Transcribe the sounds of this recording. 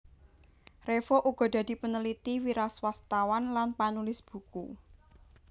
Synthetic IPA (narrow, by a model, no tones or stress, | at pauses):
refoʔuɡ̥ɔ̤d̪̥ä̤d̪̥i̤pənəlit̪iwiɾaswast̪awanlanpanulɪsb̥ṳkṵ